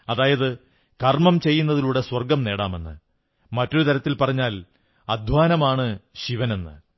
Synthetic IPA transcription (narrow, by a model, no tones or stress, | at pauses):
ɐðaːjɐðɨ | kɐrmɐmt͡ɕe̞jːunːɐðiluːɽe̞swɐrɡɐmne̞ːɽa̰ːme̞nːɨ̰ | mɐtːo̞ɾut̪ɐɾɐt̪ːilpɐrɐɲːaːl | ɐd̪ʱwaːnɐmaːɳɨɕiʋɐne̞nːɨ̰